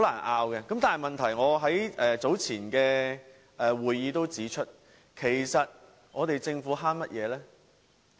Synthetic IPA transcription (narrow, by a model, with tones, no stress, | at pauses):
ho˨˥laː˨˩nʔaː˧wkɛː˧kɐ˨˥mt̪aː˨nhɐ˨˩jmɐ˨nt̪ʰɐ˨˩jŋɔː˨˧ɦɐ˨˥jʔɛː˨t͡so˨˥wt͡sʰiː˨˩nkɛː˧ | ɛː˨wuː˨jːiː˨˧t̪o˥wt͡siː˨˥t͡ʃʰɵ˥t̚ | kʰe˨˩jsɐ˨t̚ | ŋɔː˨˧t̪e˨jt͡sɪ˧ŋfuː˨˥ɦaː˥nmɐ˥t̚jɛː˨˧lɛː˥